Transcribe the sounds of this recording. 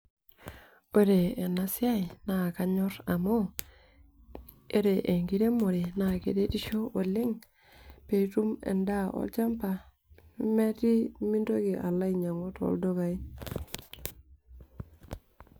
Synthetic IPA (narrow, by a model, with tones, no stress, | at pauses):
o˦ɾe˨e˨na˨sɪ˦a˦i˨na˨ka˦ɲɔ˦ɾa˨mo˦ | e˦ɾe˨ʔe˨ŋɡi˦ɾe˦mo˨ɾe˨na˨kḛ˨de˦ti˦ʃo˦ʔo˨le˦ŋ | pe˨tu˦mḛ˨nda˦ʔo̰˦lt͡ʃa˦mpa˨ | i˦me˦ti˦mi˦ndo˦ɡi˨ʔa˨la˦i˨ɲa˨ŋo˦to̰˦ldo˦ɡa˨i˦